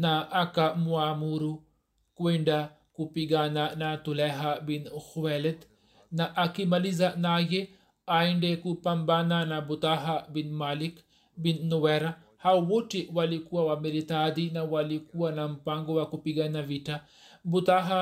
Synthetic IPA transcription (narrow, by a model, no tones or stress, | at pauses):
naʔːkamuamuɾu | kweɳɖa | kupiɡananat̪ulɛɦabinxuwɛlɛd̪ | naʔakimalizanaje | aiɳɖekupambananabut̪aɦabinmalik | binnuwɛɾa | hawwoʈiwalikuawamiɾit̪ad̪inawalikuwanampaŋɡowakupiɡanaʋita | but̪aɦa